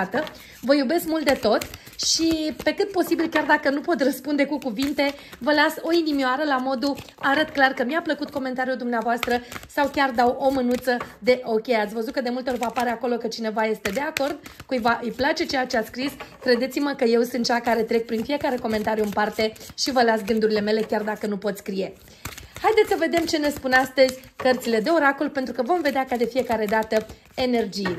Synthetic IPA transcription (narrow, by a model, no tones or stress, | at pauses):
t̪ə | vəjube̞skmult̪d̪e̞t̪o̞t̪ | ʃipe̞kɨt̪̚po̞sibilkʲard̪akənupo̞t̪rəspund̪e̞kukuvint̪e̞vəlaso̞inimioaɾəlamo̞d̪uaɾət̪klarkəmiapləkut̪̚ko̞me̞nt̪aɾijuld̪umneavoast̪ɾəsawkʲard̪awo̞mɨnut̪səd̪e̞ʔo̞kʲe̞jat̪sʲvəzut̪̚kəd̪e̞mult̪eorvapaɾeako̞lo̞kət͡ʃine̞vaje̞st̪e̞d̪e̞ako̞rd̪̚kujvaʔɨjplat͡ʃe̞t͡ʃe̞jat͡ʃe̞askɾiskɾe̞d̪e̞t̪siməkəjewsɨnt̪̚t͡ʃakaɾe̞t̪ɾe̞k̚pɾinfije̞kaɾe̞ko̞me̞nt̪aɾijuɨnpart̪e̞ʃivəlat̪sɡɨnd̪uɾile̞me̞le̞kʲard̪akənupo̞t̪sʲskɾije̞ | hajd̪et̪ssəve̞d̪e̞mt͡ʃe̞ne̞spunast̪əzʲkərt̪sile̞d̪e̞o̞ɾakolpent̪ɾukəvo̞mve̞d̪eakad̪e̞fije̞kaɾe̞d̪at̪ə | e̞ne̞rd͡ʒije